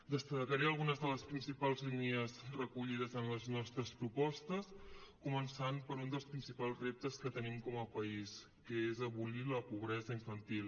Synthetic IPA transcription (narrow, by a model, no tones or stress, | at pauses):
d̪əst̪əkəɾeəlˠɣunəzðələspɾinsipalˠzliniəzrəkuʎiðəzənləznɔst̪ɾəspɾupɔst̪əskumənsanpəɾund̪əlˠspɾinsipalˠzrep̚t̪əskət̪ənimkɔməpəis | kəezəβuliləpuβɾɛzəiɱfənt̪ilˠ